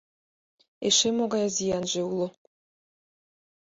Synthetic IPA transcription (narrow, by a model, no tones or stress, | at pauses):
eʃemoɡɑjazʲijɑnʒeulˠɤ̆